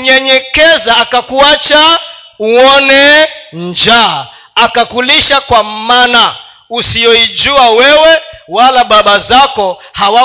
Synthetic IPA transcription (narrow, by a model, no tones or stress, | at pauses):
ɲɛɲɛkɛzaːkakuat͡ʃa | uɔnɛnd͡ʒa | akakuliʃakwamana | usiɔid͡ʒuawɛwɛwalaɓaɓazakɔhawa